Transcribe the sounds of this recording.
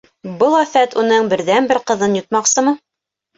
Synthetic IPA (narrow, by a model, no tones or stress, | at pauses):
bɤlˠæfæt̪unɤɴbɘ̆ɾðænbɘɾqɤ̆ðɤnjŭt̪̚mɑqsɤmɤ